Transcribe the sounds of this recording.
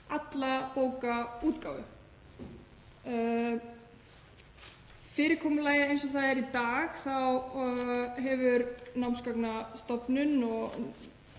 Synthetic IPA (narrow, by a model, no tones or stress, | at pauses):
at̪lapoːwkauːt̪kaːwvʏ̰ | fɪːɾɪɾ̥kʰɔːmʏlaːjaejnsɔθaðɛɾit̪aːɣθaw | ɦɛvʏɾnawnskaknast̪ɔpnʏnɔɣ